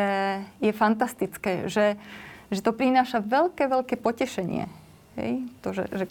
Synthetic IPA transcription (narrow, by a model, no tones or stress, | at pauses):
ɛjɛfant̪ast̪it͡skɛːʒɛʒɛt̪ɔpɾinaːʃaʋɛlkɛːʋɛlkɛːpɔcɛʃɛɲɪɛ̰ | ɦɛ̰jt̪ɔʒɛ̰ʒɛ